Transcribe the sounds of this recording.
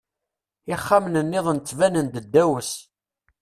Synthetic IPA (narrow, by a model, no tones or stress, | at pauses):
ɪχːamnənːɪðˤənt͡s̪ːvænənd̪əd̪ːæwəs